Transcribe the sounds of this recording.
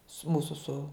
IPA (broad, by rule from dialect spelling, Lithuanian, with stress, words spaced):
sʊ ˈmuːsʊ sʊ